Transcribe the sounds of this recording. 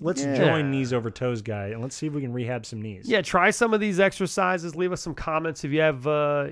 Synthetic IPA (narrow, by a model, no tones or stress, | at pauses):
lətsd͡ʒɔ̃ɪ̃nːizoʊvə˞tʰoʊzɡaɪɨ̃nlətsiɨfwikɨ̃n̩ɹiɦæb̥sʌ̃mnḭz̥jætʰɹ̥aɪsʌ̃mʌvðizɛksə˞saɪzɨzlivʌsʌ̃mkʰɑmɛ̃ntsɨfjɨːvʌ